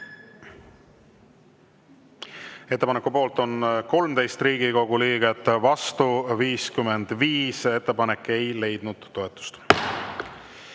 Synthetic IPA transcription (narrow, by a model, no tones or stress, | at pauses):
et̪ːepɑnekupo̞ːlt̪ˑo̞nko̞lmt̪e̞jst̪riːɡ̥iko̞ɡ̥uliːɡ̥et̪ːˑvɑst̪uviːskyme̞nd̪̥viːse̞t̪ːe̞pɑne̞kːˑe̞jle̞jd̪̥nud̪̥ːo̞e̞t̪ːˑu̥st̪